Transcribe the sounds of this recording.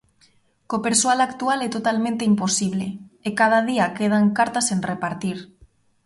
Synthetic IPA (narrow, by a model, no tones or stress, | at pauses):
kopeɾsoalakt̪ualet̪ot̪almẽnt̪eimposiβ̞leekað̞að̞iakeð̞aŋkaɾt̪asenrepaɾt̪iɾ